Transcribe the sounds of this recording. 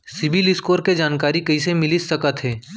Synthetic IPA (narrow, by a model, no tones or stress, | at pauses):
sɪbɪlɪskoːɾked͡ʒaːnkaːɾikɐisemɪlɪsɐkət̪ɦɛː